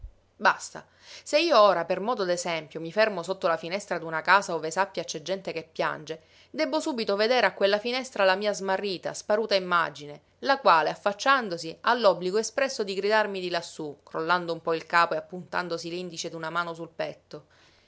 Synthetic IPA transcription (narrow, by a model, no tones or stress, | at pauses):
bast̪a̰ | seiːooːɾapermɔːd̪od̪ezɛmpjomifɛrmosot̪ːolafinɛst̪ɾad̪unakaːsaoːvesapːjat͡ʃɛd͡ʒːɛnt̪ekepːja̰nd͡ʒe | d̪ɛbːosuːbit̪oved̪eːɾeakːwelːafinɛst̪ɾalamiːazmarːiːt̪a̰spaɾuːt̪aimːa̰d͡ʒine | lakwaːleafːat͡ʃːand̪osialːɔbːliɡoespɾɛsːod̪iɡɾid̪armid̪ilasːukɾolːand̪oumpɔilkaːpoeapːunt̪a̰nd̪osilind̪it͡ʃed̪unamaːnos̬ulpɛt̪ːo